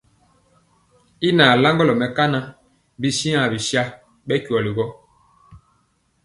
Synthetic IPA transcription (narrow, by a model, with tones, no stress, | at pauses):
i˦na˨la˦ŋɡɔ˦lɔ˨mɛ˨ka˦na˦ | bi˦si˦ã˨bi˨sja˦ | ɓɛ˦ku˨ɔ˨li˨ɡɔ˦